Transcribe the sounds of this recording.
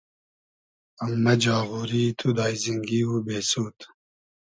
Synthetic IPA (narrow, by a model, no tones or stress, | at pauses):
ɐmːɐd͡ʑaːɣuːɾiːt̪ʰud̪aːjziŋɡiːubeːsuːt̪